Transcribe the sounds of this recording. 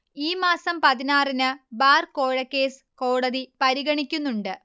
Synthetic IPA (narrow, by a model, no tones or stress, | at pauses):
iːmaːsɐmpɐðinaːrinɨbaːrko̞ːɻɐkʲːe̞ːs | ko̞ːɽɐðipɐɾiɣɐɳikʲːunːuɳɖɨ